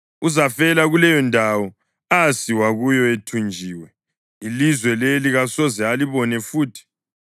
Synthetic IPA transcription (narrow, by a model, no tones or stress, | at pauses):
uzafɛlaɣulɛjɔndʱawɔ | asiwaɣujɔetʰund͡ʒʱiːwɛ | ilizwɛleliɣasɔzɛaliβɔnɛfuːtʰi̥